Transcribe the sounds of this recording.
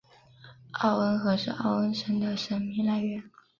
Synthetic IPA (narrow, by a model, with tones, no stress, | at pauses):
ɑ˥˩ʊwə˧˥nxɤ˧˥ʂɻ̩˥˧ʔɑ̰˥˩ʊwə˧˥nʂə˧˥ŋd̪ə˧ʂə˧˥nmi˧˥ŋla˧˥ɪɥɛ˧˥n